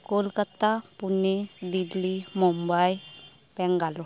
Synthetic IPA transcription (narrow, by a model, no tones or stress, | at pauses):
kolkət̪apuned̪ilːimɔmbaj | pɛ̃ŋɡalɔ